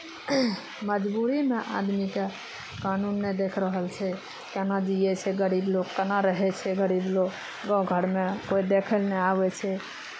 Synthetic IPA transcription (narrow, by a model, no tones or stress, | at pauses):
məd͡ʒbuɾimeʔa̰d̪mike | kanunːed̪ekʰɾəɦəlt͡ʃʰɛ | kenad͡ʒijɛt͡ʃʰɛɡəɾiblokkənaɾəɦɛt͡ʃʰɛɡəɾiblok | ɡãɡʱəɾmekoid̪ekʰəlnɛabɛt͡ʃʰɛ